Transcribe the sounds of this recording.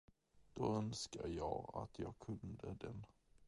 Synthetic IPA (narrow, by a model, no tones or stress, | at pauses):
d̪̥oːœnskajɑːɡa̰t̪ʰjɑːɡkʰɵnd̪əd̪ɛn